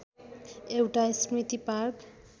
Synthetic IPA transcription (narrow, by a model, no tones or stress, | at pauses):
ewʈasmit̪ipaɾk